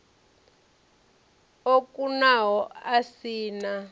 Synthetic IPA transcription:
okʼunaɦɔasiːna

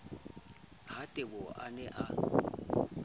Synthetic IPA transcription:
hatʼɪbɔʔanɛʔa

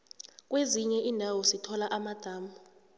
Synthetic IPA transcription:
k̬ʼweziɲɛʔiːndʱawɔsitʰɔlaʔamad̥ʱaːmu

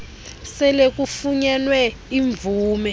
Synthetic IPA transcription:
sɛlek̬ufuɲɛnwɛ | iɱb̪vuːmɛ

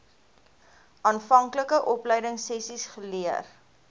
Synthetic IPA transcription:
ɑːnfɐŋkləkəʔɔpləjdəŋsɛsisχəliər

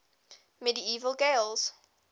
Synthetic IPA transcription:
mɛdiiːvəlˠɡeɪlˠz̥

